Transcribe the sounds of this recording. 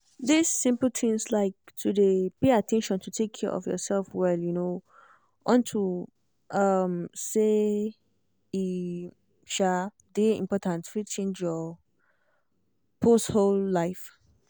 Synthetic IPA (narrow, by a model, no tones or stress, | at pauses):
disːɪ̃mpl̩tʰĩŋslaɪk̚tʰudepeatʰɛ̃nʃɔ̃ntʰutʰekʰːɛɹʔɔ̰fjɔ̰sɛlfwɛljuno | ʔɔ̃ntʰu | ʔʌmse | i | ʃa | deḭ̃mpɔtʰãntɹit͡ʃẽnd͡ʒjɔ | pʰostholːaɪf